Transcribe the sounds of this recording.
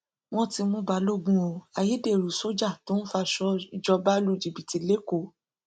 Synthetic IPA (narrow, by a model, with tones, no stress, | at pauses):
w̃ɔ̃˧ti˧mũ˧˦ba˨˦lo˦ɡ͡bũ˧o˧˨a˨ji˨˦de˦˨ɾu˨so˦d͡ʒa˦˨to˨˦n̩˦fa˧ʃɔ˦d͡ʒɔ˧ba˦lu˧˦˨d͡ʒi˨bi˨ti˨˦le˦ko˦˨